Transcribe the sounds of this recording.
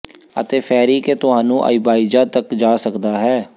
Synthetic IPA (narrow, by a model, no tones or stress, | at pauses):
ə̰t̪eːpʰɛːɾiːkeːt̪ʊɦaːnũːʔa̰ɪbaːid͡ʒaːt̪əkd͡ʒaːsəkd̪aːɦɛː